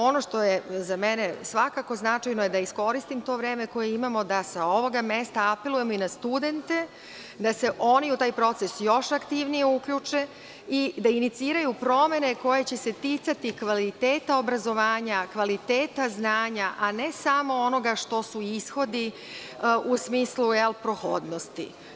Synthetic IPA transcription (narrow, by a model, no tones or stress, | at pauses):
o̞no̞ʂt̪o̞jezamenesʋakako̞znat͡ʂajno̞je̞d̪aisko̞ɾist̪imt̪o̞ʋɾe̞ːme̞ko̞jeimamo̞d̪asao̞ʋo̞ɡamest̪aape̞lˠuje̞moinast̪ud̪e̞nt̪e̞ | d̪ase̞ʔo̞niut̪aːjpɾo̞t̪sesjo̞ʃakt̪iʋnijeukʎut͡ʂe̞ | id̪ainit̪siːɾajupɾo̞me̞neko̞jet͡ɕe̞se̞t̪it̪sat̪ikʋalit̪eːt̪ao̞bɾazo̞ʋaːɲakʋalit̪eːt̪aznaːɲaʔane̞samo̞ono̞ɡaʃt̪o̞suisxo̞d̪i | usmiːsluelpɾoxo̰d̪no̞st̪ḭ